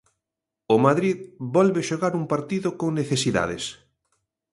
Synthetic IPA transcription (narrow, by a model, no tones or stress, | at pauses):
omaðɾiðbɔlβeʃoɣaɾuŋpaɾt̪iðokoŋneθesiða̰ðḛs